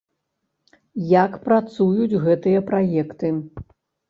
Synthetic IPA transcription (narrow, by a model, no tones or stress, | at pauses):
jakpɾat̪sujud͡zʲɣɛt̪ɨjɐpɾajɛkt̪ɨ